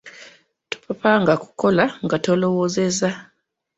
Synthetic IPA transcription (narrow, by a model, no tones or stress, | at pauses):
tu̥papaŋɡaku̥ko̞laŋɡatolo̞woːzeza